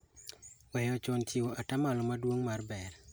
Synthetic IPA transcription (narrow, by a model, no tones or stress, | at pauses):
wɛjɔt͡ʃɔnt͡ʃiwoatamalɔmadwoŋmarbɛr